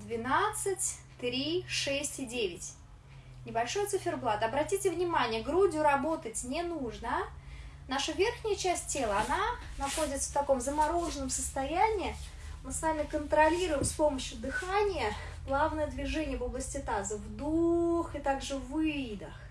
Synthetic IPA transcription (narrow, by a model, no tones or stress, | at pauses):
d̪vʲɪnat̪sɨtʲ | t̪ɾʲiʂɛsʲtʲɪdʲevʲɪtʲ | nʲɪbɐlʲʂo̞jət̪sɨfʲɪrblˠat̪əɐbɾɐtʲitʲɪvnʲɪmanʲɪjəɡɾudʲɪʊɾɐbo̞t̪ətʲnʲɪnuʐnənaʂəvʲerxnʲɪjət͡ɕæsʲt̚ʲːe̞lˠəɐnanɐxo̞dʲɪt̪sə̥ft̪ɐko̞mzəmɐɾo̞ʐɨnəmsəst̪ɐjænʲɪː | mɨsvamʲɪkənt̪ɾɐlʲiɾʊjɪmspo̞məɕjʊd̪ɨxanʲɪjə | ɡlˠavnəjəd̪vʲɪʐɛnʲɪjəvoblˠəsʲtʲɪt̪azəvd̪uxɨt̪aɡʐɨvɨd̪əx